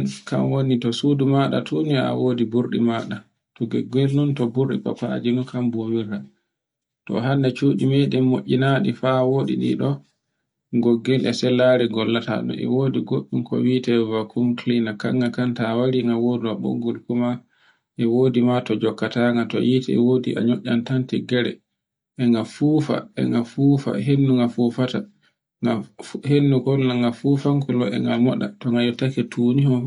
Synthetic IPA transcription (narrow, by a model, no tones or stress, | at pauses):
nka̰mwonitɔsudumaɗa̰tʰunia̰woːdibuɾɗimaɗa | tuɡɛɡɛlnɔntɔbuɾɗḭpa̰pa̰d͡ʒinukambowiɾa | tɔ̰ɦanːat͡ʃuːɗimɛɗɛmːo̰ʔʲinaɗifawoːɗḭɗḭɗɔ | ɡɔɡːɛlʔɛsɛlːaɾiɡɔlːata̰ɗɔ̰ɛ̰woːdiɡoɓːinkɔ̰witɛvakʰumklinaka̰ŋːakantawaɾiŋɡawoduaɓo̰ɡɔlkuma | ʔɛwoːdimatɔd͡ʒɔkːataŋɡatɔ̰jitɛɛ̰wodiʔa̰ɲoʔːantantɛɡɛɾɛ̰ | ʔɛŋɡafuːfa̰ɛ̰ŋɡafuːfa̰ɦenːuŋɡafufata | ŋahenːukɔnaŋɡafufaŋkulɔɛ̰ŋɡalmɔɗatɔŋɡajɔtakɛtuːnihɔ